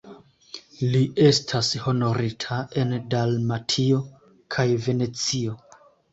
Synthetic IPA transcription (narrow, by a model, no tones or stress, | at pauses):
liʔe̞stʰasho̞no̞ɾitʰae̞ndalmatʰio̞ | kʰajve̞ne̞t͡sio̞